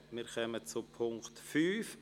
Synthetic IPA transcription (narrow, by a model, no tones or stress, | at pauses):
miːɾkœmət͡supʰʊŋktfyːf